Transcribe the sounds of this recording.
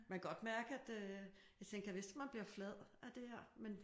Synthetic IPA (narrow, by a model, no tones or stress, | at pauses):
mækɡ̥ɒ̽d̥mæɐɡ̥əæd̥ø | jɑ̈ɪt͡sʰeŋɡ̥ɐjɑʋe̝sd̥mænb̥liɐflɛð̰ˠʔæd̥e̝heɐ̰men